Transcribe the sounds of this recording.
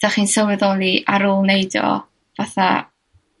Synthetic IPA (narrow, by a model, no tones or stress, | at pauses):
d̥aχiːnsəwɛðɔːlˠiʔaɾʊːlˠnejdɔ̰ | vaθa